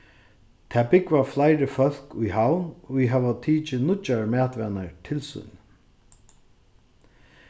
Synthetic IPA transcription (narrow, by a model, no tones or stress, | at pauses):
t̪ʰæːbɪkvaflajɾɪfœl̥kʊjɦawnviɦɛvat̪ʰiːt͡ʃɪnʊt͡ʃːaɹmæːt̪vɛnaɹt̪ʰɪlsʊ̰n